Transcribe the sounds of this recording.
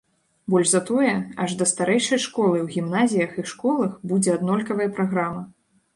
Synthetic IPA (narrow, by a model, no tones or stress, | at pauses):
bɔlʲʐzɐt̪ɔjɛaʐd̪ɐst̪aɾɛjʂɐjʂkɔlˠɨwɣʲimnazʲijɐxiʂkɔlˠɐxbud͡zʲɛad̪nɔlʲkɐvɐjɐpɾaɣɾamɐ